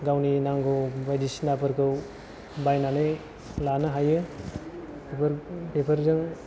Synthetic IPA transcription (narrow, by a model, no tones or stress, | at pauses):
ɡawninaŋɡɯwbajdisinapɯɾkɯw | bajnanɯj | lanɯɦajɯ | pɾpepʰɐɾzɯŋ